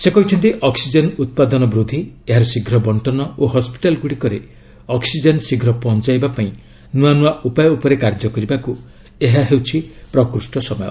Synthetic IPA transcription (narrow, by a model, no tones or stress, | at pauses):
sekɔɦit͡ʃʰɔnt̪iʔɔksid͡ʒenut̪̚pad̪ɔnɔbɾud̪ʱieɦaɾɔsiɡʱɾɔbɔɳʈɔnɔoɦɔspi̥ʈalɡuɽikɔɾe | ɔksid͡ʒɔnsiɡʱɾɔpɔɦɔnt͡ʃajbapaĩ | nuanuaʔupajɔupɔɾekaɾd͡ʒɔkɔɾibaku | eɦaɦewt͡ʃʰipɾɔkɾusʈɔsɔmɔjɔ̰